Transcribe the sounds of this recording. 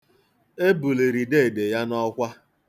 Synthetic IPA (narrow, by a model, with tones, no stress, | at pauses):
e˦bu˨le˨ɾi˨de˦˨de˨ja˦nɔ˦kʷa˦